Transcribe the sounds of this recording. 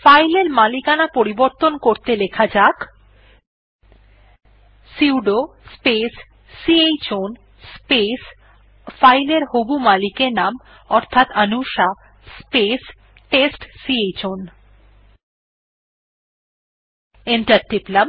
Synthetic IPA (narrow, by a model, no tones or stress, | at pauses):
fajleɾmalikanapoɾiboɾt̪onkoɾt̪elekʰad͡ʑak | siwɖospesː | iejt͡ɕon | spes | fajleɾhobumalikenam | ɔɾt̪ʰat̪anuʃa | spes | ʈesʈsiejt͡ɕon | enʈaɾʈiplam